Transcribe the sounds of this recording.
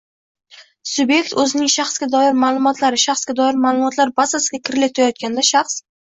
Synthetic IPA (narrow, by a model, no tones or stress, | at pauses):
sʊbje̞kʲt̪ʰɵzɪnɪŋʃaχsɡʲad̪ɒjɪɾmaːlˠʊmɒt̪ʰlaɾɪʃaχsɡʲad̪ɒjɪɾmaːlˠʊmɒt̪ʰlaɾbasasɪɡʲakʲʰɪɾɪlat̪ʰɪɾajɒt̪̚kʲand̪aʃaχs